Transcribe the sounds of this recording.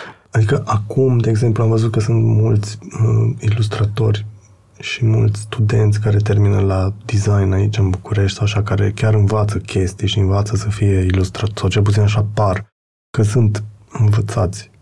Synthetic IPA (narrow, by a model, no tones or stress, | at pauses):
ad̪ikəʔakumd̪e̞ːɡze̞mpluamvəzut̪̚kəsunt̪mult̪sʲəilust̪ɾat̪o̞rʲ | ʃimult̪sʲst̪ud̪e̞nt̪sʲkaɾe̞t̪e̞rminəlad̪izajnait͡ʃɨnbukuɾe̞ʃt̪ʲsawaʃakaɾe̞̰kʲaɾɨnvat̪səkʲʰe̞st̪ijeʃiɨnvat̪səsəfije̞ilust̪ɾat̪osawt͡ʃelp̬ut̪sinaʃapar | kəsunt̪ɨnvət̪sat̪sʲ